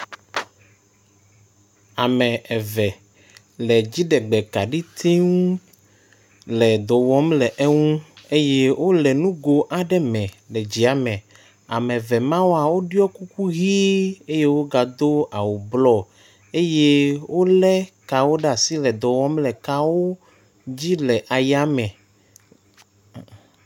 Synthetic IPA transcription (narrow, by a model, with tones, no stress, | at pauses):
a˨mɛ̃˨ɛ˨vɛ˨ | lɛ˨d͡ʑi˦ɖɛ˨ɡ͡bɛ˨ka˨ɖi˦t̪ʰi˦ŋũ˦ | lɛ˨d̪ɔ˨wɔ˦mlɛ˨ʔe˦ŋũ˦e˦je˦wʔo˦lɛ˨nũ˦ɡo˨ʔa˨ɖɛ˦mɛ̃˨ | lɛ˨d͡ʑi˨a˨mɛ̃˨ | a̰˨mɛ̃˨vɛ˨mã˦wo˦a˨wo˦ɖi˦ɔ˦ku˦ku˦ɣi˦e˦je˦wo˦ɡa˨d̪o˦a˨wo˨blɔ˦ | e˦je˦wo˦lɛ˦ka˨wo˦ɖa˨si˦lɛ˨d̪ɔ˨wɔ˦mlɛ˨ka˦wo˦ | d͡ʑi˦lɛ˨ʔa˨ja˦mɛ̃˨